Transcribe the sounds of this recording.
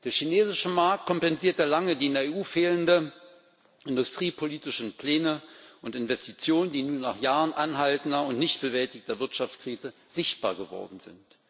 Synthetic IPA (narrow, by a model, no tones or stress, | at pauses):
d̥eːɐçineːzɪʃəmaɐk̚t̚kʰɔmpɛnziːɐtalaŋədiːɪndeɐeːʔuːfeːləndə | ʔɪndʊstʁ̥iːpʰoliːtɪʃn̩pʰl̥eːnəʔʊntɪnvɛstit͡sjoːnəndiːnuːɐnaːχjaːʁənʔanɦaltn̩dɐʊntnɪçt̚b̥əvɛltɪçtɐvɪɐtʃaft͡skʁ̥iːzə | z̥ɪçt̚b̥a̰ːɐɡəvɔ̰ɐdn̩zɪ̰nt